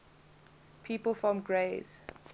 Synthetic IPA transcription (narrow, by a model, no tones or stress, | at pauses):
pʰiːpəlˠfɔ̃mɡɹeːz̥